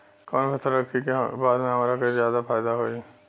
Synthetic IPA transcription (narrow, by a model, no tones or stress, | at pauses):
kɔːnpət̪ʰəɾɐkʰːikebaːd̪mẽɦɐmaːɾakɐzjaːd̪afʰaːjd̪aɦoːiɛ